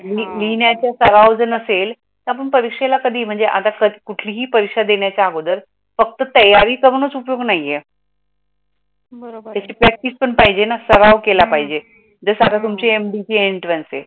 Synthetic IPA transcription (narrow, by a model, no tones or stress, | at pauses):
lilinjat͡ɕjasəɾaʋd͡zənəsel | t̪əap̬əɳpəɾikʂelakəd̪ʱiːm̤əɳd͡zeʔa̰t̪akəd̪ikuʈʰliːɦiːpəɾikʂad̪eɳjat͡ɕaaɡod̪əɾ | fək̚t̪ət̪əjaɾiːkəɾənət͡supjoɡnaɦije | bət̪jat͡ɕiːpɾɛk̚ʈiːspəɳpaɦid͡ʑenasəɾaʋkelapaɦid͡ʑe | d͡zəsat̪at̪umt͡ɕeemɖiʈieɳʈɾənsḛ